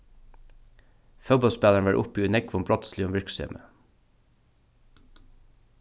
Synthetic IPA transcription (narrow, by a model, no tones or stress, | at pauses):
fœbɔlspæːləɳʋæʔʊ̰piːʉnɛkʋɔmbɾɔt̪slɪɔmʋɪɹksœ̰mʔə̰